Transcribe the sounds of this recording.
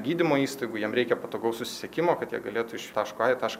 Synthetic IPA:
ɡʲiːd̪ʲɪmoːiːst̪ɐɪɡʊjiɛmɾʲɛɪkʲɛpɐt̪oːɡɐʊsʊsʲɪ̥sʲɛkʲɪmoːkɐt̪jiɛɡɐlʲeːt̪ʊɪʃt̪ɑːʃkʊɑːjɛt̪ɑːʃk

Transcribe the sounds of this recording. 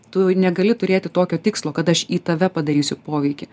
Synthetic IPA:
t̪ʊnʲɛɡɐlʲɪt̪ʊɾʲeːt̪ʲɪt̪oːkʲoːt̪ʲɪkslˠoːkɐt̪ɐʃiːt̪ɐʋʲɛpɐd̪ɐɾʲiːsʲʊpoːʋʲɛɪkʲɪ

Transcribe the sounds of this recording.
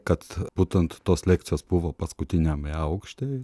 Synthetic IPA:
kat̪put̪ənt̪t̪oslʲek̪sʲospuʋapaskʊt̪ʲinʲamjaokʃt̪ʲe

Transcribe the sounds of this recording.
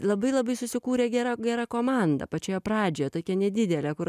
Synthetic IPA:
lˠɐbɐɪlˠɐbɐɪsʊsʲɪkuːɾʲeːɡʲæːɾɑɡʲæːɾɑkoːmɑnd̪ɐ̰pɐt͡ʃʲoːjɛprɑːd͡ʒʲoːjɛt̪oːkʲɛnʲɛd̪ʲɪd̪ʲɛlʲɛkʊr

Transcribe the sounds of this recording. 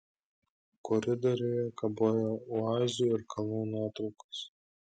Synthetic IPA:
kɔɾʲɪd̪ɔɾʲʊjɛkɐboːjɛʊɑːzʲɪjuɪɾkʰɐlˠuːnuɔt̪ɾɒʊkɐ̥s

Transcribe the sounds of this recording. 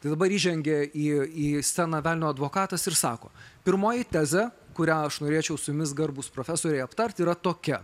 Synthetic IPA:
t̪ɐɪd̪ɐbɐɾiːʒʲɛŋʲɡʲɛiːiːsʲænɐʋʲæːlʲɪnʲoːɐd̪ʋoːkɑːt̪ɐsɪɾsɑ̰ːko̰ːpʲɪɾmoːjɪt̪ʲæːzʲɛkʊɾʲæːɐʃnoːɾʲeɛt͡ʃʲɛʊsʊjʊmʲɪsɡɐɾbʊspɾoːfʲæsoːɾʲɛɪɐpt̪ɐɾʲt̪iːɾɐt̪oːkʲɛ

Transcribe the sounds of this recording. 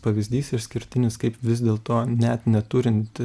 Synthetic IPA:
pɐʋʲɪzʲd̪ʲiːsɪɾsʲkʲɪɾʲt̪ʲɪnʲɪskɐɪpʋʲɪzd̪ʲeːlˠt̪oːnʲɛt̪nʲɛt̪ʊɾʲɪnt̪ʲ

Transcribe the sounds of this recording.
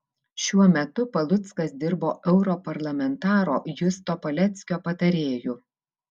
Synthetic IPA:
ʃʲuɔmʲɛt̪ʊpɐlˠʊt̪skɐsd̪ʲɪɾboːʔɛʊɾɔpɐɾlˠɐmʲɛnt̪ɑːɾo̰ːjʊst̪oːpɐlʲɛt̪sʲkʲoːpɐt̪ɐɾʲeːjuː

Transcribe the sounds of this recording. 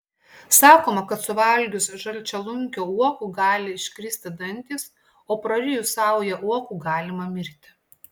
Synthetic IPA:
sɑːkoːmɐkɐt̪sʊʋɐlʲɡʲʊsʒɐlʲt͡ʃʲɛlˠʊŋʲkʲoːuɔkuːɡɑːlʲɪɪʃʲkʲɾʲɪsʲt̪ʲɪd̪ɐnʲˑt̪ʲiːs | oːpɾɐɾʲɪjusɑˑʊjɛʔuɔkuːɡɑːlʲɪmɐmʲɪɾʲt̪ʲɪ

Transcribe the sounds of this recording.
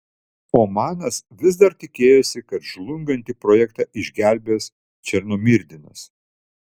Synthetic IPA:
oːmɑːnɐsʋʲɪz̬d̪ɐɾt̪ʲɪkʲeːjosʲɪkɐt̪ʒlˠʊŋɡɐnʲt̪ʲipɾoːjɛkt̪ɑːʔɪʒʲɡʲæˑlʲbʲeːs | t͡ʃʲɛɾnoːmʲɪɾʲd̪ʲɪnɐs

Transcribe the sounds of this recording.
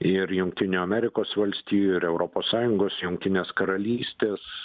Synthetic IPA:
ɪɾjʊŋk̚t̪ʲɪnʲuːɐmʲɛɾʲɪkoːsʋɐlʲsʲt̪ʲiːjuɪɾɛʊɾoːpoːssɑːjʊŋɡoːsjʊŋkt̪ʲɪnʲeːskɐɾɐlʲiːsʲt̪ʲeːs

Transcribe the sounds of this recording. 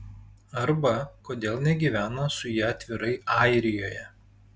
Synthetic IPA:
ɐɾbɐkoːd̪ʲeːlˠnʲɛɡʲiːʋʲæːnɐsʊjɛɐt̪ʲʋʲɪɾɐɪɑˑɪɾʲɪjoːjɛ

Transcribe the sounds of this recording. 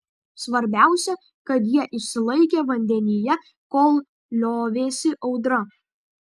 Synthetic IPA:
sʋɐɾʲbʲæˑʊsʲɛ | kɐt̪jiɛʔɪʃʲsʲɪlˠɐɪkʲeːʋɐnʲd̪ʲɛnʲɪjɛ | koːlˠ | lʲoːʋʲeːsʲɪʔɒʊd̪ɾɐ

